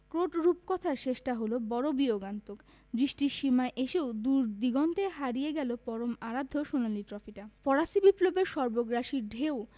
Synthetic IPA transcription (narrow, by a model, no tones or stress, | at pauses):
kɾoʈɾupkɔt̪ʰaɾt͡ɕeʃʈaɦolobɔɾobioɡant̪ok | b̪ɾiʃʈiʃimaeʔeʃeod̪uɾd̪iɡont̪eɦaɾijeɡɛlopɔɾomaɾad̪ʱːoʃunaliʈɾɔfiʈafɔɾasibiplobeɾʃɔɾboɡɾaʃiɾɖʱeo